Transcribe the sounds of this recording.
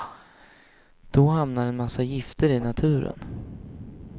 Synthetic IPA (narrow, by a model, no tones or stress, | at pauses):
d̪̥ɔhamnaɾɛnmasːajɪft̪ʰəɾɪnat̪ʰʉ̟ːɾə̰n